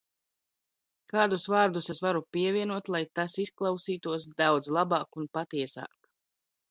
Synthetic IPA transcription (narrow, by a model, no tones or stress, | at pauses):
kaːd̪usvaːɾd̪usɛsvaɾupiɛvʲiɛnuɔt̪lˠajt̪asisklˠawsiːt̪uɔs̬d̪awd̪zlˠabɑːkunpat̪iɛsa̰ːk